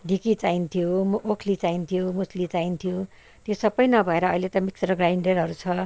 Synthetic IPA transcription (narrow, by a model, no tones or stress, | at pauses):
ɖʱikit͡saint̪ʰijomʔokʰlit͡saint̪ʰijomuslit͡saint̪ʰijo | t̪josʌbːʌjnʌbʱʌeɾʌːilet̪ʌmiksɾʌɡraiɳɖeɾɦʌɾut͡sʰʌ